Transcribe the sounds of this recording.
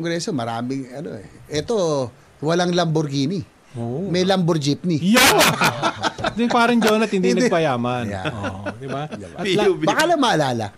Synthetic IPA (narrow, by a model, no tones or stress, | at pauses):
ŋɡɾɛːso̞mɐɾaːmɪŋɐno̞̰ɛ̰ʔɛt̪o̞ | wɐlaŋlɐmboɾɡiːni | omɛjlɐmboɾd͡ʒɪp̚nɪjo | d̪ʊŋpaːɾɐŋd͡ʒonɐt̪̚hɪnd̪inɐɡpɐjaːmɐnja̰d̪ɪbadbɐbɐkalɐŋmɐʔɐlaːlɐ̰